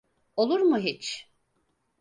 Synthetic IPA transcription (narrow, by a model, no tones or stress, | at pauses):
olˠuɾmuɦit͡ʃ